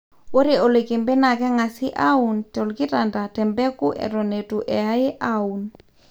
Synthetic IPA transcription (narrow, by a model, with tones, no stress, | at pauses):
o˦ɾe˨o˨le˨ke˨mbɛ˦na˨kɛ˦ŋa˨sɪ˦ʔa˦u˨ntɔ˨lkɪ˦ta˨nda˨tɛ˨mbɛ˦ku˦ʔɛ̰˨ɾɔ˨ne˨tu˨ʔɛ˨a˦ɪ˦ʔa˦u˨n